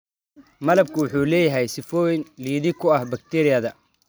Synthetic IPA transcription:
mɐlɐb̚kʰʊwʊħuːlɛːjɐɦɛjsɪfɔːjɪnliːðɪkʰʊɐhbɐk̚t̪ʰɛɾɪjɐðɐ

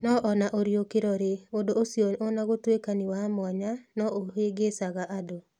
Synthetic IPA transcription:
nɔʔɔnaʔoɾjokeɾɔɾeodoosjononaɣotwekaniwamwɔɲanɔʔoɦeɡesaɣaʔado

